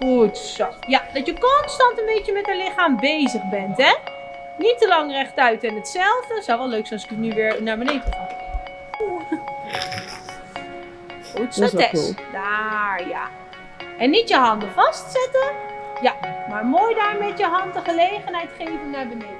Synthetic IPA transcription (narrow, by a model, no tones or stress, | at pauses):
χutsojad̥ɑtjəkɔnstɑntənbejtjəmɛtəlɪχaːmbejzəχbɛntɛ | nitəlɑŋrɛχtœɥtɪnətsɛlˠvdəsɔwʋɛlˠlːøɥksɛ̃nɔsɪ̥kətnyʋɪːɹnaːɹbənejdəχa | utsoɛsdaja̰ | ʔɛnːitjəɦɑndəfɑstsɛtəjamaːɹmoːjdaːɹmɛtjəɦɑntdəχəlejχənɦɛjtχejvənnaːɹbənejd